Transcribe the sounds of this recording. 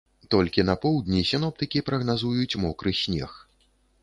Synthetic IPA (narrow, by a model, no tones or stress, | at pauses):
t̪ɔlʲkʲinɐpɔwd̪ʲnʲisʲin̪ɔp̚t̪ɨkʲipɾɐɣnazujut͡sʲmɔkɾɨsʲnʲɛ̰x